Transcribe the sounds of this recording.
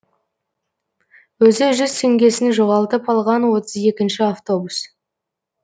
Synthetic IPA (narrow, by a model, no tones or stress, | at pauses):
wɵzɪʒʏzt̪ʰe̞ŋɡʲe̞sɪnʒoʁɑlˠt̪əpɑlˠʁɑnwo̞t̪əze̞kʲɪnʃɪaft̪o̞bus